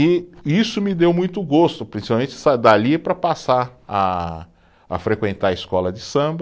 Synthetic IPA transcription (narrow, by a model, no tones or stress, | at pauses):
ɪisʊmɪd̪ewmũj̃t̪ʊɡost̪ʊpɾĩsipawmẽt͡ʃɪsad̪alipɾɐpasaa̰ː | fɾekwẽnt̪aɐɪskɔlɐd͡ʒɪsɐ̃b